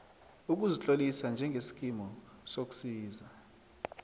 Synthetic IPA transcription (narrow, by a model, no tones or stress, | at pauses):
uk̬uzit͡ɬʼolisand͡ʒʱɛŋɡʱesi̥k̬ʼimɔsok̬u̥siːza